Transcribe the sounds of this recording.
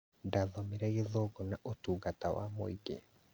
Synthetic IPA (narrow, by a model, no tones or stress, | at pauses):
ndaðɔmeɾɛjeðoɡɔnaʔotuːɡatawa̰mo̰iɡḛ